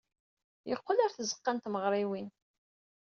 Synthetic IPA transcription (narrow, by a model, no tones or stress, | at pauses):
jəqːəlaɾθəzə̥qːant̪məʁɾˤiwin